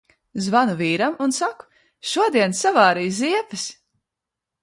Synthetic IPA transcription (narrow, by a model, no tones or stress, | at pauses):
zvanuviːɾamunsaku̥ | ʃuɔd̪iɛnsavɑːɾijziɛpɨs